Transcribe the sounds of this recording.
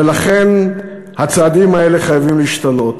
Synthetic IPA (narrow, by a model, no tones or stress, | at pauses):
elaχe̞n | hat͡saːdimae̞le̞χajavimliːʃt̪alo̞t